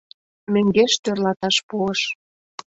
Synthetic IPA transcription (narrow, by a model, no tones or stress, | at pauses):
mɘ̆ŋɡeʃt̪ørlɑt̪ɑʃpuəʃ